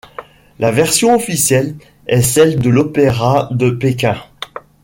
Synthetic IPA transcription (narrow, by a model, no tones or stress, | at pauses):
lʔavɛʁsjɔ̃ɔfisjɛl | ɛsɛld̪əlɔpeʁad̪əpekʲɛ̃